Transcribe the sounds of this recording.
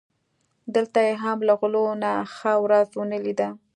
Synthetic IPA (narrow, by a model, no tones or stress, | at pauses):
d̪əlt̪ajeɦamlaɣʊlonaxəwɾazwənəlid̪a